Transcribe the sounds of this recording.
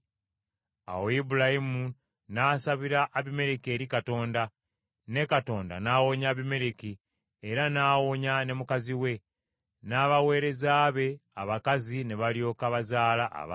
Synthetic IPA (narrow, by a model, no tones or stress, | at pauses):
a̰woibuɾahimu | naːsaβiɾaʔːβime̞ɾeke̞ːɾikato̞ːnda | ne̞kato̞ːnda̰naːwo̞ɲaːβime̞ɾeki | eɾanaːwoɲane̞mukaziwe̞ | naːβawe̞ːɾe̞zaːβe̞aβakazine̞βaljo̞ːkaβazaːlaʔa̰βa